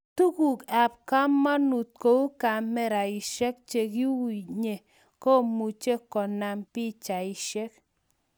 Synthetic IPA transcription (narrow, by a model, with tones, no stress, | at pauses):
tu˦ku˨ka˨p̚ka˦mːa˦nu˨t̚ko˨u˦ka˨mɛ˦ɾa˨i˨ʃe˦k̚t͡ʃe˨ki˦wi˨ɲe˨ | ko˦˨mu˨t͡ʃe˦kːɔ˨na˨mpi˦t͡ʃa˨i˨ʃe˦k̚